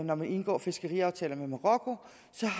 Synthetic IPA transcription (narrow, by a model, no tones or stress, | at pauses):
nɒmæne̝nɡ̥ɒ̰ːfe̝sɡ̥əʁiɑ̈ʊt͡sʰɛ̰ːlɐmemoʁɒ̽kʰo̝ | sɒ̽